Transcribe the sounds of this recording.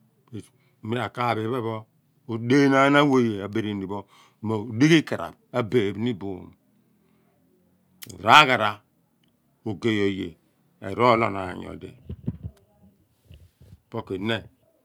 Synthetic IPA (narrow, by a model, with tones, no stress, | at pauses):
e˨ | mi˦ɾa˨ka˦˨be˨˦βe˦βo˦ | o˨de˦na˦na˦wo˦˨je˨a˨be˨ɾi˨n˨di˨bo˦˨ | ma˨di˦ɡi˦ka˨ɾa̰˨ba˦be˨bni˦bu˨n˨ | ɾa˦ɣa˨ɾa˨˦ | o˨ɡe˦˨jo˨jḛ˨ | ḛ˨ɾo˦lo˨na̰˨ɲ˨o̰˨dḛ˨ | po˦ke˨ne˦